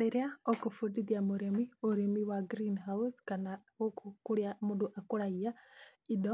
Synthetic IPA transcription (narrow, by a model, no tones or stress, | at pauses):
iɾiaokufudiðjamuɾemioɾemiwaɡɾinɦauskanawokukuɾjamuduʔakuɾaijaido